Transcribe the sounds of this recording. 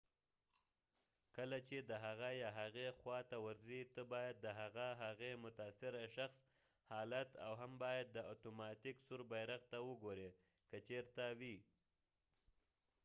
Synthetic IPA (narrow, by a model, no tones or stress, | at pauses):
kəlat͡ʃed̪əɦaɣajɑɦaɣexwɑt̪awaɾzit̪əbɑjad̪̚ːəɦaɣaɦaɣemʊt̪asɪɾaʃaxs | hɑlat̪a̰wɦambɑjad̪̚ːəat̪omɑt̪iksuɾbajɾaɣt̪awəɡoɾe | kət͡ʃeɾt̪awi